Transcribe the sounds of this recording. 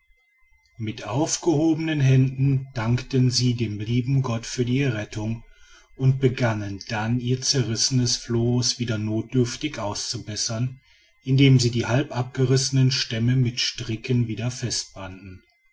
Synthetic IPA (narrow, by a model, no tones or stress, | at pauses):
mɪtʔaʊfɡ̥əhoːbənənɦɛndn̩d̥aŋktənziːdeːmliːbm̩ɡɔtfyːɐdiːɛɐʁ̞ɛtʊŋ | ʔʊnt̚b̥əɡanənd̥aniːɐt͡sɛɐʁɪsənəsfloːsv̥iːdɐnoːt̚d̥ʏɐftɪçʔaʊst͡subɛsɐn | ʔɪndeːmziːdiːhalpʔap̚ɡ̥əʁɪsənənʃtɛməmɪtʃtʁ̥ɪkənviːdɐfɛst̚b̥andn̩